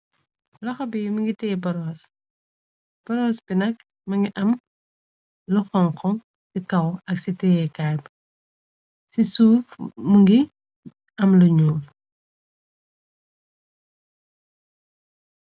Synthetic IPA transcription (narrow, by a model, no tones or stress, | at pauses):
lɐxɐbimɐŋɡitɛbɐɾɔːs | b̥ɐɾɔːsbinɐk | mɐŋɡiʔɐm | luxɔŋkɔ | sikɐwɐksitɛɛkaːrb | sisuːfmuŋɡi | ɐmluɲɔːl